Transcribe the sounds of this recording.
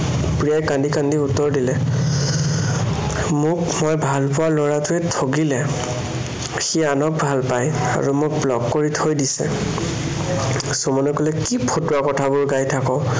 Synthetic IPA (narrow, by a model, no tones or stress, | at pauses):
pɹijajkandikandiutːɔɹdilɛ | mʊkmojbʱalpʊwalɔɹatʊɛtʰoɡilɛ | xianɔk̚bʱalpaja̰ɹumʊk̚blɔkːoɹitʰojdisɛ̰ | somɔnɔkolɛkipʰotʊakɔtʰabʊɹɡajtʰakɔ